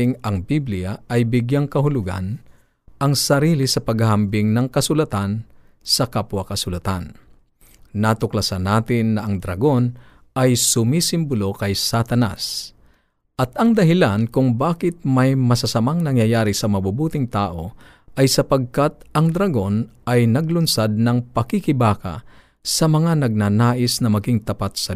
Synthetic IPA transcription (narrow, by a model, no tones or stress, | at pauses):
ɪŋɐŋbiblɪjaʔɐjbɪɡjaŋkɐɦʊlʊɡa̰n | ʔɐŋsɐɾiːlisɐpɐɡhaɦɐmbɪŋnɐŋkɐsʊlɐt̪an | sɐkapwɐkɐsʊlɐt̪anː | at̪ʊklɐsanaːt̪ɪnːɐʔɐŋd̪ɾɐ̰ɡo̞n | ʔɐjsʊmisɪmbʊlokɐjsat̪ɐna̰s | ʔɐt̪ɐŋd̪ɐɦɪlankʊŋbaːkɪt̪̚mɐjmɐsasɐmaŋnɐŋjɐjaːɾisɐmɐbubuːt̪ɪŋt̪aːʔo̞ | ʔɐjsɐpɐɡ̚kat̪̚ɐŋd̪ɾɐɡo̞nɐjnɐɡlʊnsad̪̚nɐŋpɐkikɪbaːka̰ | sɐmɐŋanɐɡ̚naːnaːʔɪsnɐmɐɡɪŋt̪ɐpat̪̚sɐ